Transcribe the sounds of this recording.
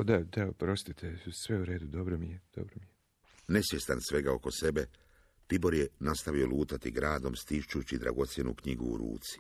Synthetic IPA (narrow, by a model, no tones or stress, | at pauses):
ad̪ad̪aopɾo̞st̪it̪ʰesʋeuɾe̞ːd̪ud̪obɾomijed̥̪o̰bɾomije | ne̞sʋje̞st̪ansʋe̞ɡao̞ko̞se̞be̞ | pibo̞ɾjenast̪aʋio̞luːt̪at̪iɡɾaːd̪o̞mst̪iʃt͡ʃut͡ɕid̪ɾa̰ɡo̞t̪sje̞nṵkɲiɡṵːɾṵːt̪si̥